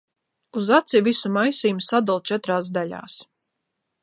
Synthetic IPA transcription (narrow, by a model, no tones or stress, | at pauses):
uzat̪sivisumajsiːmsad̪ulˠt͡ʃɛt̪ɾaːs̬d̪alʲa̰ːs